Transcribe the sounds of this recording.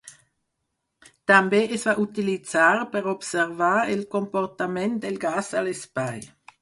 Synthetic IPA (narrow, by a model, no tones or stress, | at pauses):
t̪ambeɛsvaʔut̪ilit͡saːʁpɛʁɔbsɛʁvaːilkompɔʁt̪amɛnt̪̚d̪elɡaːsalespaj